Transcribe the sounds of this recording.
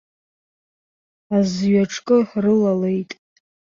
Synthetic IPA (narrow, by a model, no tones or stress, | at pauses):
azɥaʈ͡ʂʰkʼɨħrɨlale̞jtʼ